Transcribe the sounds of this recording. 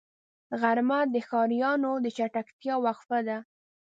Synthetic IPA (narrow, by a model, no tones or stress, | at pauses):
ɣaɾmad̪əxɑɾijɑnod̪ət͡ʃaʈakt̪jɑwaxfad̪a